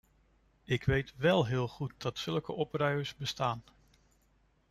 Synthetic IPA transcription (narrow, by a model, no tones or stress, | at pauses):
ɪkʋejtʋɛlˠɦɪːlˠχut̚d̥ɑtsɵlˠkəʔɔprœɥəɹszbəstaːn